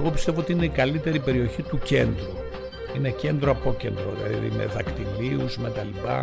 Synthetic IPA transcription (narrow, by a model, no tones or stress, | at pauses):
ɣo̞pist̪e̞voot̪iine̞ikɐlit̪e̞ɾipe̞ɾio̞çit̪uce̞nd̪ɾu | ine̞ce̞nd̪ɾoɐpo̞ce̞nd̪ɾo̞ðḭlɐ̰ððḭme̞̰ðɐkt̪iliuzme̞t̪ɐlipɐ̰